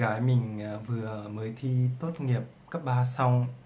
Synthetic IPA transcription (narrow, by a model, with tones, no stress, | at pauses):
aː˨˦jmï˨˩ŋ̟˨˩vɨ˨˩əməː˨˦jt̪ʰi˧t̪o˦˥t̚ŋi˨˩əp̚kaː˦˥k̚ɓaː˧sa˧wŋ͡m